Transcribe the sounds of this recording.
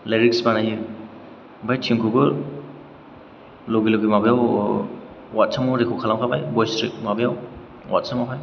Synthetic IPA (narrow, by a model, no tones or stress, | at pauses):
leɾiksbanajɯ | bajtʰiŋkʰubɯɾ | loɡiloɡimabjaw | wat̚sʰamɔɾekʰukʰalamkʰaba̰jbɔjstɾik̚mabejaw | wa̰tsamɔɦʰaj